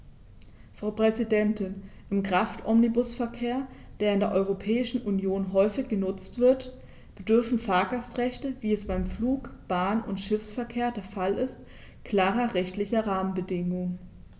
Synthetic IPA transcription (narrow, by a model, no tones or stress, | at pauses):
fʁ̥aʊpʁ̥ɛzidɛntɪnʔɪmkʁ̥aftʔɔmnibʊsfɛɐkʰeːɐd̥eːɐɪndeːɐʔɔʏʁopʰɛːɪʃn̩ʔunjoːnɦɔʏfɪçɡ̥ənʊt͡stv̥ɪɐt | b̥ədʏɐfn̩faːɐɡastʁ̥ɛçtəviːɛsb̥aɪmfluːkb̥aːnʊ̰ntʃɪfsfɛɐkʰeːɐdeːɐfalɪst | kʰl̥aːʁɐʁɛçtlɪçɐʁaːmənbədɪŋʊŋə